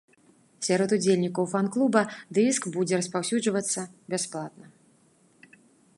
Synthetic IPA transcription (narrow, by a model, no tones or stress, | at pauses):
sʲaɾɔt̪ud͡zʲelʲnʲikɐwfanklˠubɐd̪ɨskbud͡zʲɛɾɐspawsʲud͡ʐvɐt̪sːɐbʲasplˠat̪̚nɐ